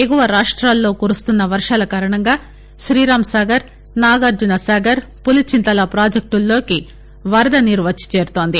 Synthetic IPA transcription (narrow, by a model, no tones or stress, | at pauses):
eɡuʋɐɾaːʂʈɾaːlːo̞ːkuːɾust̪unːɐʋɐɾʂaːlɐkaːɾɐɳɐŋɡaː | ʃɾiːɾaːmsaːɡɐɾ | naːɡɐɾd͡ʒunɐsaːɡɐɾpulit͡ʃint̪ɐlɐpɾaːd͡ʒɐk̚ʈulːo̞ːki | ʋɐɾɐd̪ɐniɾʋɐt͡ʃːi̥t͡ʃe̞ːɾut̪o̞ːnd̪i